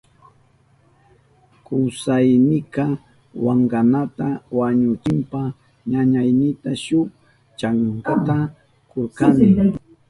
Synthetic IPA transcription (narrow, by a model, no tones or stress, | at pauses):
kʊwsajnɪkɑ | waŋɢanat̪awaɲʊt͡ʃɪmpa | ɲaɲajnɪt̪aʃʊk | t͡ʃaŋkat̪a | koɾkanɪ